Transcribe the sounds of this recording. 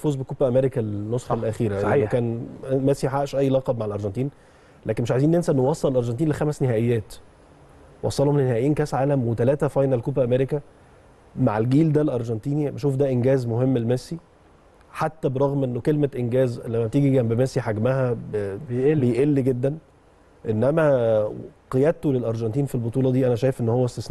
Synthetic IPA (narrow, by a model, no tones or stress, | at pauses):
fuːzbekoːbæʔæmeɾekælnːosxɑlʔæxiːɾæʔeenːokæːnmæsiħaʔʃʔæjːlɑːqɑbmaʕelʔɑɾˤʒɑnt̪ˤiːn | lʔæːkenmeʃʕajziːnːjensæʔenːowɑsˤːɑlelʔɑɾˤʒɑnt̪iːnlexæmæsnehæːʔejːæːt̪ | wɑ̰sˤːɑlhomlenːehæʔjiːnkæːsʕaːlæmwet̪ælæːt̪æfɑjnælkuːbæʔæmeɾekæ | maʕelɡiːld̪ælʔɑɾˤʒɑnt̪iːnibæʃuːfd̪æʔenɡæːzmoɦemːelmæsi | ħat̪ːæbeɾˤɑɣmʔenːokelmæʔenɡæːzlæmːæbt̪iːɡiɡæmbemæsiħaɡmæhæbbejʔelːiɡed̪ːæn | ʔenːʔæmæ | qejæd̪̚t̪olelʔɑɾˤʒɑnt̪iːnfilbot̪ˤuːlɑd̪iːʔænæʃæːjefʔenːhowːæst̪esn